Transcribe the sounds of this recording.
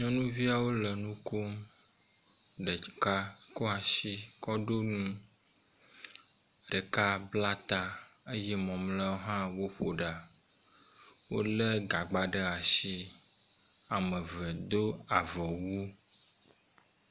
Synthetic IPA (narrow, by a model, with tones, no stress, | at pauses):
ɲɔ̃˦nũ˦vi˦a˨wo˦lə˨nũ˦ko˦m | ɖə˨ka˦kɔ˦a˨ʃi˦kɔ˦ɖo˦nũ˦ | ɖə˨ka˦bla˦t̪a˦e˦jɛ˦mɔ̃˨mlɛ˦wo˦ɦã˦wo˦ɸo˨ɖa˨ | wo̰˦lɛ˦ɡa˨ɡ͡ba˨ɖə˦a˨ʃi˦ | a˨mɛ̃˨vɛ˨d̪o˦a˨vɔ˨wu˦